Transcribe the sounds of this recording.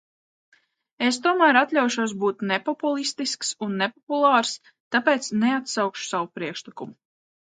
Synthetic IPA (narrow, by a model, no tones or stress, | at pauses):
es̬t̪uɔmæːɾat̪lʲawʃuɔs̬buːt̪nepɔpulˠist̪isksunːepɔpulˠɑːɾs | t̪apeːt̪sneat̪sawkʃu̥sawupɾiɛkʃlˠikumu